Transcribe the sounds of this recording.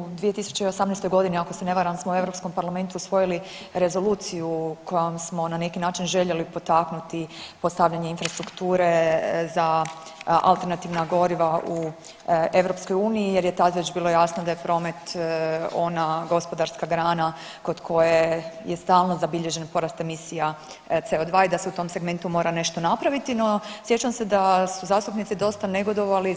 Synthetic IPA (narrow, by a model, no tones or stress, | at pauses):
d̪ʋijet̪isu̥t͡ɕeio̞samnest̪o̞jɡo̞d̪iniakosene̞ʋaɾamsmoue̞ʋɾo̞psko̞mpaɾlˠame̞nt̪uusʋo̞jili | ɾe̞zo̞luːt̪sijuko̞jomsmo̞nane̞kinaːt͡ʃinʒe̞ʎe̞lipo̞t̪aknut̪ipo̞st̪aʋʎaɲe̞infɾast̪ɾukt̪uːɾe̞za | ʔa̰lˠt̪e̞ɾnat̪iːʋnaɡo̞ɾiʋaʔu | e̞ʋɾo̞psko̞juːniije̞ɾje̞t̪aet͡ʃbiːlˠo̞jasnod̪ajepɾo̞ːme̞t̪ | o̞naɡo̞spo̞d̪aɾskaɡɾaːna | ko̞d̪kʰo̞jeje̞st̪aːlˠnozabiʎe̞ʒe̞npo̞ɾast̪e̞misija | t̪seo̞d̪ʋaid̪aseut̪o̞mse̞ɡme̞nt̪umo̞ːɾane̞ʃt̪o̞napɾaʋit̪ino̞sjet͡ʃamse̞d̪asuzaːst̪upnit̪id̪o̞st̪ane̞ɡo̞d̪o̞ʋali